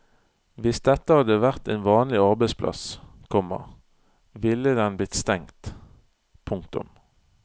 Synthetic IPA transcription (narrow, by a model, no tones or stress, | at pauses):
ʋɪsd̪ɛt̪ːəhɑd̪əʋæʁt̪eːnʋɑːnlɪɑʁbɛɪspʰlʔɑ̰skʰɔmːə̰ʁ | ʋɪlːəd̪ɛnb̪ɪt̪st̪ɛŋt̪ | pʰʊŋkt̪ʊ̰m